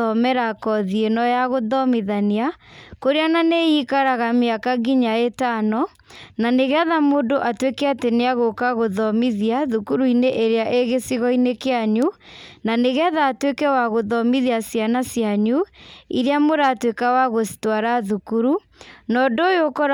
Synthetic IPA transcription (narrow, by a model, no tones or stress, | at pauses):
ɔmɛɾakɔðienɔjaɣoðɔmiðaniakoɾeananejikaɾaɣameakaɡiɲaetanɔ | naneɣɛðamodoʔatwekɛateneaɣokaɣoðɔmiðiaðukuɾuineʔeɾeaʔeɣesiɣɔinekeaɲunaneɣɛðaːtwekɛwaɣoðɔmiðiasjanasjaɲuḭɾeamoɾaːtwekawaɣostwaɾaðukuɾu | nɔdoːjokɔɾ